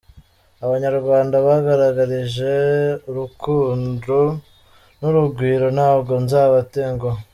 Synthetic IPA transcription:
aβaɲaɾɡwaːndaβaɡaɾaɡaɾiʒe̞uɾukʰuːndo | nuɾuɡwiːɾo̞naːbɡo̞nzaːβateŋɡo

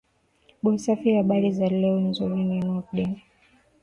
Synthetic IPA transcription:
ɓɔsafihaɓaɾizalɛɔnzuɾininuakɗɛna

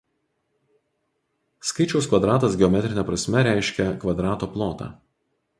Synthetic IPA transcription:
skɐɪt͡ʃʲɛʊskʋɐd̪ɾɑːt̪ɐsɡʲɛɔmʲɛt̪ʲɾʲɪnʲɛpɾɐsʲmʲɛɾʲæˑɪʃʲkʲɛkʋɐd̪ɾɑːt̪oːplˠoːt̪ɑ̰ː

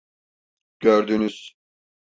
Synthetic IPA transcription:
ɟ̥øɾd̪ynyz̥

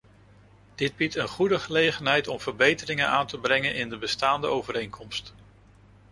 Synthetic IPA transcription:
d̥ɪd̚bitənχudəχəlejχənɦɛjtɔmv̥əɹbejtərɪŋənaːntəbrɛŋənʔɪndəbəstaːndəowvəɾejŋkʰɔmst

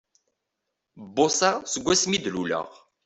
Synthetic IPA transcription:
bːosasəɡʷːæsmid̪lulə̰ʁ

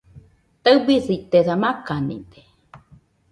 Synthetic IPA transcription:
t̪aɨbisit̪eðamakanḭd̪e̥

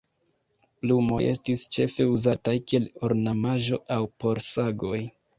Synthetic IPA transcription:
plumo̞̰je̞stist͡ʃe̞fe̞uzatajkieloɾnamaʒo̞awpo̞ɾsaɡo̞j

